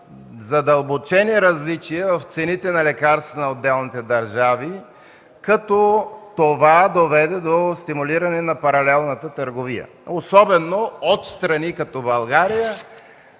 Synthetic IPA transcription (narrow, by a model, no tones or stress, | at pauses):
zɐd̪ɐlˠbot͡ʃɛniɾɐzlit͡ʃiɛvɐft̪sɛnit̪ɛnɐlɛkaɾst̪vənɐod̪ːɛlˠnit̪ɛd̪ɐɾʒavi | kɐt̪ɔt̪ovad̪ovɛd̪ɛd̪ost̪imuliɾɐnɛnɐpɐɾɐlɛlˠnət̪ət̪əɾɡovijə̰ | osɔbɛnoot̪st̪ɾɐnikɐt̪ɔbɐlˠɡaɾijə